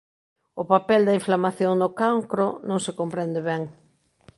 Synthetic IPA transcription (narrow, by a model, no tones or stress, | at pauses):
ʊpapɛld̪ɐiɱflamaθjoŋnʊkaŋkɾonõŋsɪkompɾɛnd̪ɪβɛŋ